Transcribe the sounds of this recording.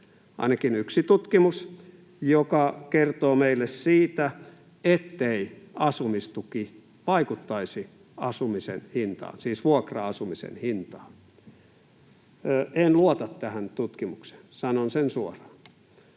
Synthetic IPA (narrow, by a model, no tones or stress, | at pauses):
ɑ̰inɑkinyksit̪ut̪kimus | jokɑkert̪oːmeilːessiːt̪æ | et̪ːeiɑsumist̪uki | ʋɑikut̪ːɑisi | ɑsumisḛnhint̪ɑ̰ːnsiːsʋuokrɑɑsumisḛnhint̪ɑ̥ːn | ʔenluot̪ɑt̪tæhænt̪ut̪kimukse̥nsɑnonsensuorɑ̥ːn